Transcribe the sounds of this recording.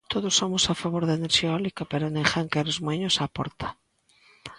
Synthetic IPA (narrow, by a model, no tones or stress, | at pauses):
t̪oðʊsːomʊsafaβoɾðaeneɾʃiaolikapeɾonẽŋxaŋkɛɾozmoeɲosapɔ̰ɾt̪ḁ